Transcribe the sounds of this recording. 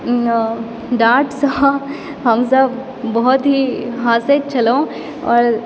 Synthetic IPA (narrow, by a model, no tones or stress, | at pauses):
ɖaːɾʈsa | ɦɐmsɐb | bɔɦɔt̪ɦiɦaːset͡ʃɐlõ | ɔːɾ